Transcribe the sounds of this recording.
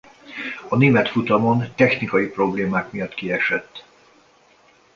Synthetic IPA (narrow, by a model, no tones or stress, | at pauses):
ɒneːmɛt̪fut̪ɒmo̞nt̪ɛxnikɒjipro̞bleːmaːkmijɒt̪kiɛʃɛt̪ː